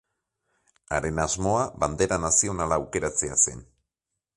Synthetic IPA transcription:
aɾe̞nazmo̞aβand̪e̞ɾanasio̞nalaːwke̞ɾat͡se̞ase̞̰n

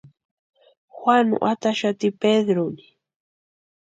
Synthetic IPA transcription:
xwanṵʔat̪aʃat̪iped̪ɾoni̥

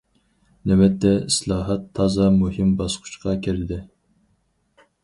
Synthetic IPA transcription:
nɛwɛt̪ʰːɛislˠɑːɦɑt̪ʰːɑːzɑmuhɪmbɑsqʰʊu̥t͡ʃqʰɑkʲʰiɾɪd̪ɪ

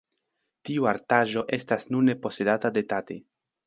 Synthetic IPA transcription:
tiuaɾtaʒo̞ʔe̞stasnunːepo̞se̞datade̞tate̞̰

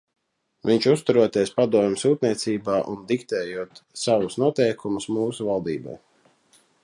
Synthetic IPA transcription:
viɲt͡ʃust̪uɾuɔt̪eɛspad̪uɔmʲɪsuːt̪̚niɛt̪siːbaːʔund̪ikt̪ɛːjuɔt̪savusnuɔt̪ɛjkʰumusmuːsuvalˠd̪iːba̰j

